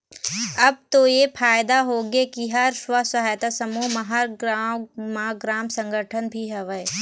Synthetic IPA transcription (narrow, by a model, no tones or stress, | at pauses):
ɐb̚t̪ojepʰaːjd̪aɦoːɡekiɦɐɾswəsɐɦaːjt̪asəmumɐɦɐ | maɡɾaːmsə̃ŋɡʱəʈʰənbʱiɦɛʋəj